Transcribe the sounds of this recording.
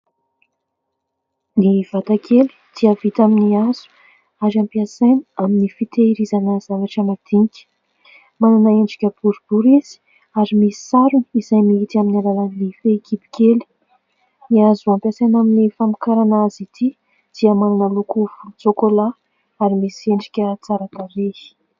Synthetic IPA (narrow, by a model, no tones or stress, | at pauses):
niv̥at̪akʰeli̥d̪̥iəvit̪aminiaz̥u̥ | aɾampiasaniaminifit̪eiɾizanəz̥avaʈ͡ʂəmad̪̥iŋikʲə̥ | mananəeɳɖ͡ʐi̥kʲəb̥uɾub̥uɾiz̥i̥ | aɾimisi̥saɾunizajmiit̪iaminalalanlifeekipi̥keli̥ | niazuampiasajnaminifamikaɾanazit̪ʰi | d̪̥iəmananəlukuvut͡sokola | aɾimisieɳɖ͡ʐi̥kʲət͡saɾat̪aɾei̥